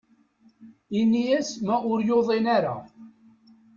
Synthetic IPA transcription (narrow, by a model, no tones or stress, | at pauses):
inːijæsmæʊɾjoðˤenaɾa̰